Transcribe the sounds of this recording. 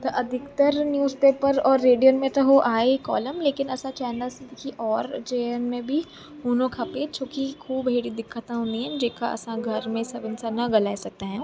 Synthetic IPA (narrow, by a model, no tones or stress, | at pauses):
t̪oʔɐd̪ʱɪkt̪əɾnjuːzpeːpəɾɔːɾːeːɖijənmẽʈ̪ɐɦoʔaːekɔ̰ːləmleːkɪnɐsãt͡ʃɛːnəlsed̪ɪkʰiʔɔːɾt͡ʃeːjənmẽbʱi | ɦuːnõkʰapet͡ʃʰoːkikʰuːbʱeːɽid̪ɪkʰːət̪ãʊ̃niɛ̃d͡ʒeːka̰ʔɐ̰sãɡʱɐɾmẽsɐbɪnsanɐɡɐlaːesɐk̚t̪aɦɛ̃